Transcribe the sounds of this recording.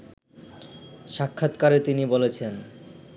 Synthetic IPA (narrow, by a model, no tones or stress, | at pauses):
ʃakʰːat̪kaɾet̪inibolet͡ɕʰen